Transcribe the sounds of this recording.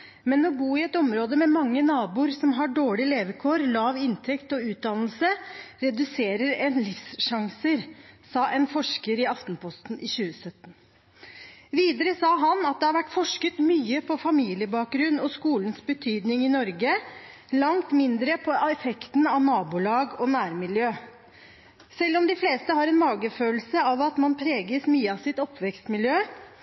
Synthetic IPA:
mɛnɔbuːɪɛt̪ɔmɾoːd̪əmɛmɑŋːənɑːbuːɾsɔmɦɑɖoːɭɪleːʋəkʰoːɾlɑːʋɪnt̪ʰɛkt̪ɔʉːt̪̚d̪ɑnl̩səɾɛd̪ʉseːɾəɾɛnlɪfsʂɑŋsəɾsɑːʔɛnfɔʂkəɾɪɑft̪npʰɔst̪n̩ʔɪɕʉːəsœt̪ːn | ʋiːd̪əɾəsɑːɦɑnɑt̪̚d̪ɛhɑɾʋæʈfɔʂkət̪myːəpʰɔfɑmiːlɪəbɑːk̚ɡɾʉnːɔskuːlənsbət̪ʰyːd̪nɪŋɪnɔɾɡə | lɑŋt̪mɪnd̪ɾəpʰɔɛfɛkt̪nɑʋnɑːbʊlɑːɡɔnæːɾmɪljøː | sɛlːɔmd̪ɪfleːst̪əhɑɾɛnmɑːɡəføːlsəɑʋɑt̪mɑnpʰɾeːɡəsmyːəɑsɪt̪ɔpːʋɛkst̪mɪljøː

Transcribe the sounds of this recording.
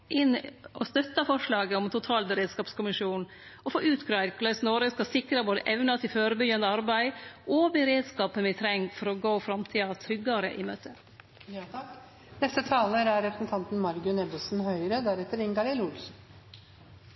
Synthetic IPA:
ʔɪnɔst̪œt̪ːɑfɔʂɭɑːɡəɔmt̪ʰʊt̪ʰɑːlbəɾeːd̪skɑːpskʊmɪʂuːn | ɔfoːʔʉːt̪kʰɾɑɾkləsnɔɾəskɑsɪkɾɑboːd̪ə̰ʔɛʋnɑt̪ʰɪlføːɾəbʏɡɑnd̪əɑɾbæɪʔɔbəɾeːd̪skɑːpənʋɪt̪ʰɾɛŋfɔɾɔɡoːfɾɑmt̪ʰiːɑʋt̪ʰɾʏɡːɑɾə̰ʔɪmø̰ːt̪ʰə | nɛst̪ət̪ʰɑːləɾæɾɾɛpɾəsn̩t̪ʰɑnt̪n̩mɑɾɡʉnɛbəlsn̩hœʏɾəd̪æɾɛt̪ːəɾɪŋɡɑlɪlʊlsn̩

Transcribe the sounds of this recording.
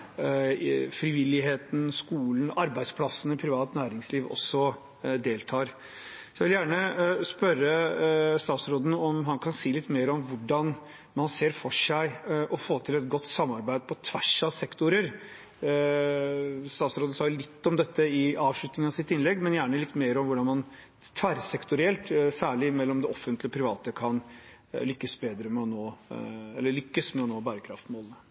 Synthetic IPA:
fɾɪʋɪlɪɦeːt̪n̩skuːlən̩ɑɾbæɪd̪spʰlɑsənəpʰɾɪʋɑːt̪næːɾɪŋsliːʋɔ̰sːɔ | d̪eːlt̪ʰɑːɾ | sɔjɛʋɪljæːɳəspœɾəst̪ɑːt̪sɾoːd̪n̩ɔmɦɑnkʰɑnsiːlɪt̪ːmeːɾɔmʋʊɖɑn | mɑnseːɾfɔʂæɪʔɔfoːt̪ʰɪlɛt̪ɡɔt̪ːsɑmːɑɾbæɪd̪̚pʰɔt̪ʰʋæʂɑsɛkt̪ʊɾəɾ | st̪ɑːt̪sɾoːd̪n̩sɑɡjʊlɪt̪ːɔmd̪ɛt̪ːəɪɑːʋʂɭʉt̪nɪŋənɑʋsɪt̪ɪnlɛɡmɛnjæːɳəlɪt̪ːmeːɾɔmʋʊɖɑnmɑn | t̪ʰʋæɾsɛkt̪ʊɾɪɛlt̪sæːɭɪmɛlːɔmd̪ɛɔfːənt̪lɪɔpʰɾɪʋɑːt̪əkʰɑn | lʏkːəsbeːd̪ɾəmɛɔnoːɛlːəɭʏkːəsmɛɔnoːbæːɾəkʰɾɑ̰ft̪moːlənə

